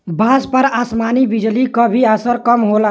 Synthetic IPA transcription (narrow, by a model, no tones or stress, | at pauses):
bʱaːspəɾaːsmaːnibid͡ʒlikəbʱiəsəɾkəmɦola